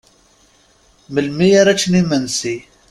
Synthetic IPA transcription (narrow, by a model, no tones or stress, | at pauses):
məlmijɐɾɐt͡ʃnimənsi